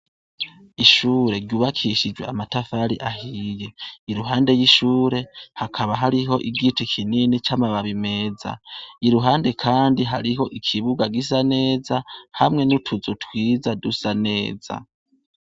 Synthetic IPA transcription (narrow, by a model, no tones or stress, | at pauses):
iʃuːɾe̞ɾɟuːβakʰiʃid͡ʒweamatafaɾiʔahiːje̞iɾuɦaːnde̞jiʃuːɾe̞hakʰaβaɦaɾiɦo̞ʔiɡitikʰininit͡ʃamaβaβime̞ːd͡za̰iɾuɦaːnde̞kʰaːndiɦaɾiɦo̞ʔikʰiβuɡaɡis̬ane̞ːzahamŋe̞nutʰuzutwiːzadusane̞ːz̥a̰